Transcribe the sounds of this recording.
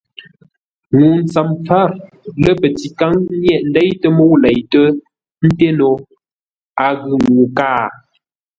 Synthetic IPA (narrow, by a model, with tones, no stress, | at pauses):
ŋu˨n˦t͡sa˨mfa˦˨ɾ | lə˦pə˨ti˨ka˦ŋ˦njɛ˦˨ʔn̩˦dɛ˦jtə˦mo˦wlɛ˨jtə˦ | n̩˦te˦no˨ | a˨ɣɯ˨ŋŋuː˨kaː˦˨